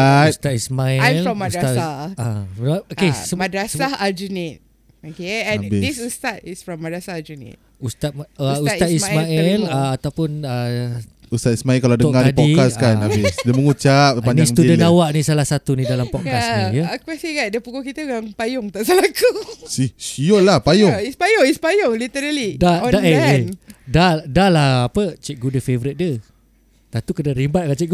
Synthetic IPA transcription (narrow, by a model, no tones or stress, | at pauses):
st̪at̪ismaɛajlfɾɔmːadɾaaaaokesəmadɾasaad͡ʒunit̚ | okeɛ̃nbidisust̪atisfɹɔmːadɾasaad͡ʒunḭt̚ | ust̪at̪̚əust̪atsimaɛlaat̪awpʊnə | ust̪at̪ismaɛlkaladəɔŋadiadpiikaskanabɪsdiəməŋut͡ʃap̚paɲniasudənawaʔnĩsalahsat̪unĩdalampɔʔkasijəkɛsiɡadiəpukokit̪əɡaŋpajʊŋt̪aʔsəlakusisiolahpajʊŋispajoispajʊŋlit̪əɾalidadaʔeedadalahapət͡ʃɛʔ̚ɡudəfevɔɾit̪̚də | t̪at̪ukənaɾimbat̪̚kat͡ʃɛɡ